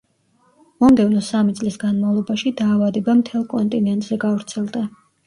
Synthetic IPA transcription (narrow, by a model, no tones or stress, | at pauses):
mɔmd̪ɛvnɔsamit̪sʼlisɡanmavlˠɔbaʃid̪aːvad̪ɛbamt̪ʰɛlˠkʼɔnt̪ʼinɛnt̪ʼz̥ɛɡavɾt̪sʰɛlˠd̪a